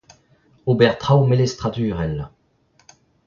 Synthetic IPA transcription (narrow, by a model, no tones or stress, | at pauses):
obɛʁt̪χawmelest̪χat̪yːʁɛl